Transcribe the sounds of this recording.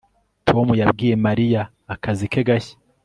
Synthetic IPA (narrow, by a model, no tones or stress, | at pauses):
tʰomujabɡiːɾe̞maɾijaː | kazikeɡaçḁ